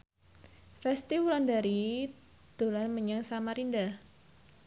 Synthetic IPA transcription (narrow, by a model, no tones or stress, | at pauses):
rɛst̪iwulandaɾi | d̪̥o̤lanməɲaŋsamaɾindah